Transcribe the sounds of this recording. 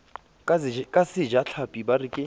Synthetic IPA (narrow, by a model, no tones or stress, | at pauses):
kʼasɪd͡ʒaɬʰapʼibarikʼɪ